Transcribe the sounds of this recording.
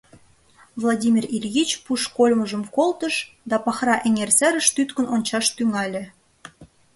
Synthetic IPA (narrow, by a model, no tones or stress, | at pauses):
vlˠɑdʲimʲirilʲɣit͡ɕpuʃkolʲmə̆ʒə̆mkolt̪əʃ | d̪ɑpɑxrɑʔeŋersæɾə̆ʃt̪yt̪kə̆nʔonʲt͡ɕɑʃt̪yŋɑlʲĕ